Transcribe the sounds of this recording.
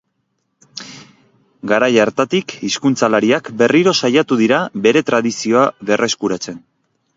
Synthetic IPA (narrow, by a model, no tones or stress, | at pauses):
ɡaɾajaɾt̪at̪ikiskunt͡salaɾiakbe̞riɾo̞sajat̪uðiɾaβe̞ɾe̞t̪ɾaðisio̞aβe̞rʔe̞skuɾat͡se̞n